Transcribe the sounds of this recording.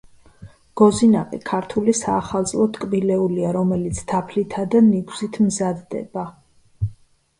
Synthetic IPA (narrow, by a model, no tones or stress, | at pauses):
ɡ̥ɔzinapʼikʰaɾt̪ʰulisaːχalˠt̪sʼlˠɔt̪ʰʼkʼbilɛuliaɾɔmɛlit̪sʰd̪̥apʰlit̪ʰad̪aniɡz̥it̪ʰmzad̪d̪ɛ̰ba